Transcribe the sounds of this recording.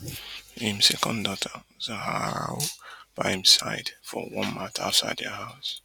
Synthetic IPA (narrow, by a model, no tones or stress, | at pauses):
hĩmsɛkɔ̃ndɔtʰəzahaa̰wb̥aɪĩmsaɪdfɔwɔ̃nmata̰ʊtsa̰ɪdəhaʊs